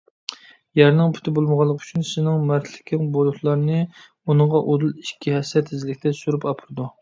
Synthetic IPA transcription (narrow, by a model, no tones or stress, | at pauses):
jæɾnɨŋpʰy̥t̪ʰɪbolˠməʁɑlˠːəqʰy̥t͡ʃʰynsɪnɪŋmæɾt̪ʰlɪ̥kʲʰɪŋbolˠut̪ʰlˠɑɾnɨ | unɨŋʁɑʔod̪ulˠiʃkʲʰihɛsɛt̪ʰːɪzɪlɪkʲt̪ʰɛsuɾupɑpʰɨɾɨd̪u